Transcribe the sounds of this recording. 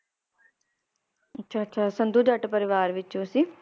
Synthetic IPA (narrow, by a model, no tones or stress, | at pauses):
ətːʃʰaːtːʃʰaːsənd̪uːd͡ʒəʈpəɾɪʋaːɾʋɪt͡ʃõːsiː